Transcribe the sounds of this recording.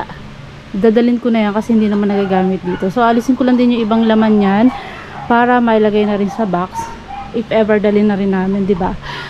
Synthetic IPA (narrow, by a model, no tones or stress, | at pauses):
d̪aːd̪ɐlɪnkonɐjankɐsɛhɪnd̪iːnɐmanːɐɡaːɡaːmɪt̪̚d̪iːt̪o̞soʔɐlɪsɪŋkʊlɐnd̪ɪnjʊŋʔɪbaŋlɐmanɲan | paːɾɐmɐʔɐlɐɡajnɐɾɪnsɐbaks | ʔɪfʔɛvɛɹd̪ɐlɪnːɐɾɪnːaːmɪnd̪ɪba